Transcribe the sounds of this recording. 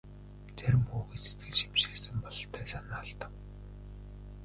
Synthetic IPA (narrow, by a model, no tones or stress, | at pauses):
t͡sæɾʲɪ̆mxuːɣeːse̥t̪ɡɘ̆ɮʃi̥mʃeːɮsɘ̆mpɔɮ̆t̪ʰæːsanaːɮt̪ə̆w